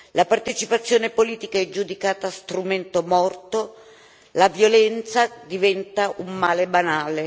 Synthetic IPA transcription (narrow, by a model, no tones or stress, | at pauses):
lapart̪et͡ʃipat̪sːjoːnepoliːt̪ikaɛd͡ʒud̪ikaːt̪aːst̪ɾument̪omɔrt̪o | lavjolɛnt̪sad̪ivɛnt̪aʔumːaːlebanaːle